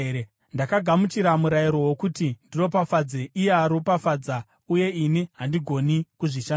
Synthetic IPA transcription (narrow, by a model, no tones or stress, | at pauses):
e | ndakaɡʱamutiɾamuɾajiɾo̞wokutindino̞pafad͡zeʔijeaɾopafad͡za | uje̞iniɦandiɡʱo̞nikuʐiʃan